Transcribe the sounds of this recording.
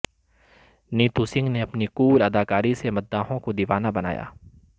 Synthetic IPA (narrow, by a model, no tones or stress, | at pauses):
niːt̪usɪ̃ŋɡneɐpniquːlɐd̪aːkaːɾisemɐt̪̚d̪aːɦõkod̪iʋaːnabɐna̰ːja̰ː